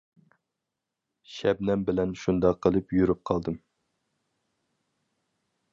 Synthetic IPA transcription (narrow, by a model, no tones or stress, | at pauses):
ʃɛbnɛmbɪlɛnʃund̪ɑqʰːəlˠɨpjyɾyp̚qʰɑlˠd̪ɨm